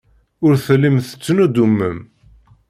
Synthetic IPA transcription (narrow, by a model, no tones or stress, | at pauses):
ʊɾθəlːimθə̥t͡sːnud̪umːə̰m